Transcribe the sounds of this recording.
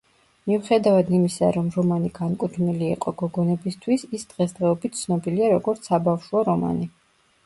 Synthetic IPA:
miuχɛd̪avad̪imisa̰ɾɔmɾɔmaniɡankʼut̪ʰniliːqʼɔɡɔɡɔnɛbist̪ʰwisisd̪̥ʁɛsd̪ʁɛɔbit̪̚t̪sʰnɔbiliaɾɔɡɔɾt̪sʰabafʃuaɾɔma̰ni

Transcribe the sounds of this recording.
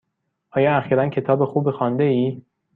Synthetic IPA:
ʔɒːjɒːæxiːɾæncʰe̞t̪ʰɒːbexuːbexɒːnd̪eiː

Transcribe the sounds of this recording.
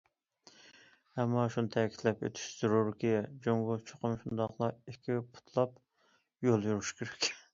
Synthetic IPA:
hɛmːɑʃunɨt̪ʰɛkʲi̥t̪lɛpø̰t̪ʰy̥ʃz̥uɾuɾkʲid͡ʒoŋɡʊt͡ʃʰo̥qʊmʃund̪ɑqlˠɑikʲʰipʰu̥t̪ʰlˠɑp | jolˠjuɾuʃkʲʰeɾɛ̥kʲ

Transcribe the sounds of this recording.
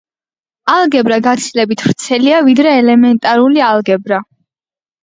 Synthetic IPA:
alˠɡɛbɾaɡat̪sʰilɛbit̪ʰv̥ɾt̪sʰɛliavid̪ɾɛːlɛmɛnt̪ʼaɾulialˠɡɛbɾa

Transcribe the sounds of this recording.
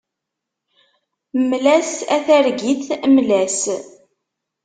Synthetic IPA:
mlæsæθæɾɡiθmlæs

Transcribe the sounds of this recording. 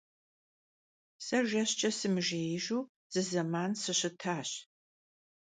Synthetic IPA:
sɐʒɐɕt͡ʃʼɐsɨmɨʒeʒuː | z̥ɨzɐmaːnsɨɕɨtʰaːɕ

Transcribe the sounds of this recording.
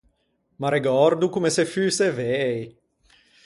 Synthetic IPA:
maɾeɡɔɾd̪ukumesefyːsevej

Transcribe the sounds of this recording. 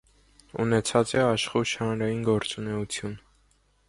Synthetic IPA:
ṵnɛt͡sʰɑt͡sɛɑʃχuʃhɑnɾɑjinɡɔɾt͡sunɛut͡sʰjun

